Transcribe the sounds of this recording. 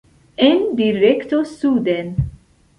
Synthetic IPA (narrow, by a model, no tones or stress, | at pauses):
ɛnd̪iɾɛkt̪osuːd̪en